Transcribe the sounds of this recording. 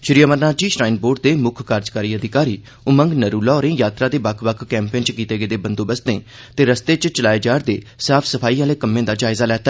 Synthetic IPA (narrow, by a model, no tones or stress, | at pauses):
ʃɾiːjaːməɾnaːd͡ʒiːʃɾaːɪnboːɖ̚d̪eːmʊkʰkaːɾd͡ʒkaːɾiːəd̪ɪkaːɾiː | ʊməŋɡnəɾuːlaːɾẽːjaːt̪ɾaːd̪eːbəkʰbəkʰːɛːmpẽːnt͡ʃkiːt̪eːɡəːd̪eːbənd̪õːbəst̪ḛ̃ː | t̪eːɾəst̪eːt͡ʃt͡ʃəlaːeːd͡ʒaːɾd̪ḛːsaːpʰsəpʰaːiːãːleːkəmẽːd̪aːd͡ʒaːɪzaːlɛːt̪a